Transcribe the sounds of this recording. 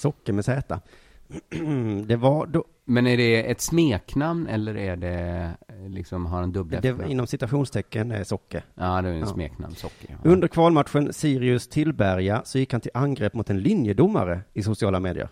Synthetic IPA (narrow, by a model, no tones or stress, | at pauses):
sɔkːəmɛsɛːt̪a | d̪ɛvadɔ | mɛnæɖɛɛt̪smeːknamnɛ̰lːəɾæɖɛ | lɪksɔmɦaɾɛnd̪ɵb̪ːd̪ɛɪnːɔmsɪt̪ʉaɧuːnst̪ʰɛkːənæ̰ɾsɔkːəɾaːd̪ɛsmḛːkna̰mnsɔkːəɾɵnd̪əɾkʰvɑːlmat̪ɧənsiːɾɪɵst̪ʰɪlbæɾjasɔjɪkhant̪ʰɪlʔanɡɾɛːpːmʊt̪ɛnlɪnjəd̪ʊmːa̰ɾəɪsʊsɪɑːlameːd̪ɪ̰ə̰ɾ